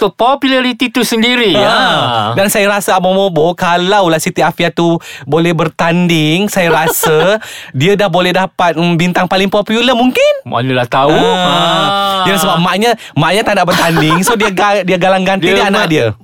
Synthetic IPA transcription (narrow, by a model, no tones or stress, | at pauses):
t̪ʊpopjulaɾit̪it̪usəndiɾiaədansajaɾasaamomobokalawlasit̪iafiat̪ubolɛhbərt̪andɪŋsajaɾasədiadahbolɛhdapat̪̚bint̪aŋpalɪŋpopjuləmuŋkɪnma̰ɲulaht̪au | jansəbap̚maʔɲã | maʔɲat̪andaʔbərt̪andɪŋsodiaɡadiaɡalaŋɡand̪idianaʔdiə